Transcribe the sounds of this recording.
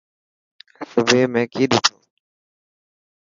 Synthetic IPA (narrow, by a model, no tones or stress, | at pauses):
sʊbʱeːmẽːkiːɗiːt̪ʰoː